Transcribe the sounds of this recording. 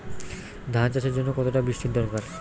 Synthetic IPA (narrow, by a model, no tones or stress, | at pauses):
d̪ʱant͡ɕaʃeɾd͡ʑonːokɔt̪oʈabiʃʈid̪ɔɾkaɾ